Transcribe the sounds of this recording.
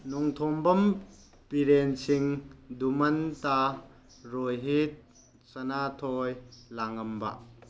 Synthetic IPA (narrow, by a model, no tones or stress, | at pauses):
nɔŋt̪ʰɔmbɐm | piɾensiŋdumɐnta | ɾojɦit̚ | sɐnatʰɔjlaŋɐmba̰ʔ